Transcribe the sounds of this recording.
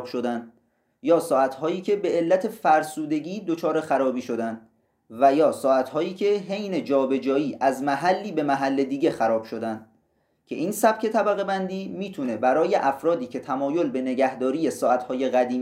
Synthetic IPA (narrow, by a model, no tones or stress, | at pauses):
bʃod̪ænd̪ | jɒːsɒːæt̪ʰhɒːjiːcʰe̞be̞elːæt̪ʰe̞fæɾsuːd̪e̞ɡiːd̪ot͡ʃʰɒːɾe̞xæɾɒːbiːʃo̞d̪ænd̪ | væjɒːsɒːæt̪hɒːiːcʰe̞ɦejne̞d͡ʒɒːbe̞d͡ʒɒːiːʔæzmæɦælːiːbe̞mæɦælːe̞d̪iːɟe̞xæɾɒːb̥ʃo̞d̪ænd̪ | cʲʰe̞ʔiːnsæb̥kcʰe̞t̪ʰæbæɣe̞bænd̪iːmiːt̪ʰune̞bæɾɒːje̞ʔæfɾɒːd̪iːcʰe̞t̪ʰæmɒːjo̞lbe̞ne̞ɟæhd̪ɒːɾiːje̞sɒːʔæt̪hɒːje̞ɣæd̪iː